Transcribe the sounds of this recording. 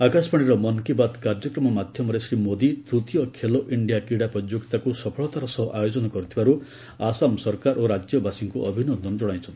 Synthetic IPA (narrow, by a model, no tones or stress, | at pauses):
akaspʌɽ̃iɾʌmʌnkibat̪kard͡zʌkrʌmʌmad̪ʱjʌmʌɾesɾimod̪it̪ɾut̪ijʌkʰeloʔiɳɖijakiɽaprʌd͡ʒjokt̪akusʌpʰʌɭɔt̪aɾʌsʌɦʌʔajod͡zʌnʌkʌɾt̪ʰibaɾu | asamsʌrkaɾʔoɾad͡zjʌbasiŋkuʔʌbʱinond̪ʱʌnd͡zʌɽ̃ajt͡sʰʌ̃